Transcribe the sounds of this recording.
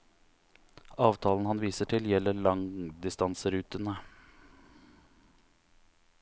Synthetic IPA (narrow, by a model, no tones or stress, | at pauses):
ɑːʋt̪ʰɑːln̩hɑnʋiːsəʈʰɪljɛlːəɭɑŋd̪ɪst̪ɑnsəɾʉːt̪ənə